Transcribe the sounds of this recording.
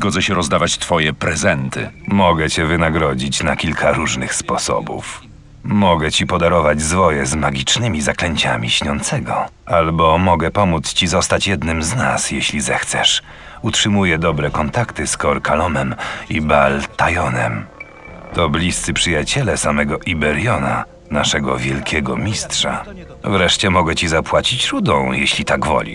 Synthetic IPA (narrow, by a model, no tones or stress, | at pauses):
zɡɔd̪ɛɕɛɾɔzd̪avat͡ɕt̪fɔjɛpɾɛzɛnt̪ɘ̰mɔɡɛt͡ɕɛvɘnaɡɾɔd͡ʑit͡ɕnakʲilkʰaɾuʐnɘxspɔsɔ̰bṵf | mɔɡɛt͡ɕipɔd̪aɾɔvad͡ʑzvɔjɛzmaɡʲit͡ʂnɘmʲizaklɛɲt͡ɕa̰mʲiɕɲɔnt̪sɛɡɔ | albɔmɔɡɛpɔmut̪st͡ɕizɔst̪at͡ɕjɛd̪nɘmzna̰sjeɕlʲizɛxt̪sɛ̰ʂ | utʂɘmujɛd̪ɔbɾɛkɔnt̪akt̪ɘskɔɾkʰalɔmɛmibalt̪ajɔnɛm | t̪ɔblʲist̪sɘpʂɘjat͡ɕɛlɛsamɛɡɔʔibɛɾjɔna̰ | naʂɛɡɔ̰vʲjɛlkʲɛɡɔ̰mʲistʂa̰ | vɾɛʂt͡ɕɛmɔɡɛt͡ɕizapwat͡ɕit͡ɕɾud̪ɔ̃w̃jeɕlʲit̪aɡvɔ̰lʲḭ